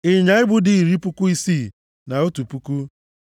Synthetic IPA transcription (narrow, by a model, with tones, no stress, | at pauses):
ɪ˨ɲa˨˦ɪ˦bʊ˦dɪ˨i˨ɾi˦pʊ˦kʊ˦i˦si˦˨ | na˨o˦tu˨pu˦ku˦